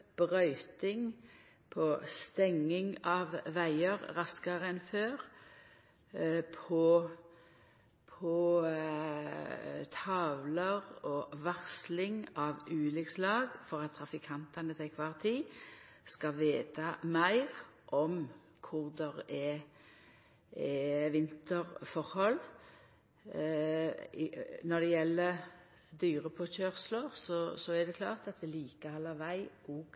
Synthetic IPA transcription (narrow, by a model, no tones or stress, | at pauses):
b̥ʁœʏt̪ɪŋ | pʰɔst̪ɛŋːɪŋɑʋʋæɪəʁʁɑskɑʁəɛnføːʁ | pʰɔ | pʰɔ | t̪ʰɑːʋləʁɔʋæʁslɪŋɑʋʉːlʏkslɑːɡfɔʁɑt̪ʰːɾɑfɪkʰɑnt̪ɑnət̪ʰɛkʰʋɑːʁt̪ʰiː | skɑʋeːt̪ɑmæɪʁʔɔm | kʰʊʁd̪ɛʁɛ | ɛʋɪnt̪əɾfɔʁhɔl | nɔd̪ɛjɛlːə | d̪yːɾəpʰɔçœːʁsləʁsɔsɔɛd̪ɛkʰlɑ̰ːʁt̪ɑt̪̚d̪ɛliːkəhɑlːəʋæɪʔɔːɡ